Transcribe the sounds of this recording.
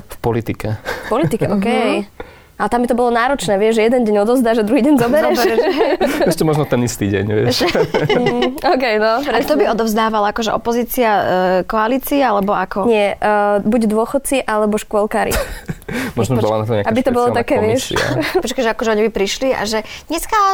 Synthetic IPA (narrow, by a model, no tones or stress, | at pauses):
fpɔlit̪ikɛfpɔlit̪ikɛʔɔkɛj | ʔalɛt̪ambit̪ɔbɔlɔnaːɾɔt͡ʃnɛːʋɪɛʒɛjɛd̪ɛnɟɛɲɔd̪ɔvzd̪aːʒɛd̪ɾuɦiːɟɛɲzɔbɛɾɛɛɛɛʃcɛmɔʒnɔt̪ɛnist̪iːɟɛ̰ɲʋɪɛ̰ɛʃɛ | ɔkɛjnɔpɾɛat̪ɔbiɔd̪ɔvzd̪aːʋalakɔʒɛʔɔ̰pɔziːt͡siakɔaliːt͡sialɛbɔakɔɲɪɛbuɟd̪ʊɔxɔt̪̚t͡siʔalɛbɔʃkʊɔlkaːɾḭ | mɔʒnɔɔɔlana̰t̪ɔmɲaabit̪ɔbɔlɔt̪akɛːʋɪɛʃpɔt͡ʃkaʒɛakɔʒɛɔɲibipɾiʃlia̰ʒɛɲɛska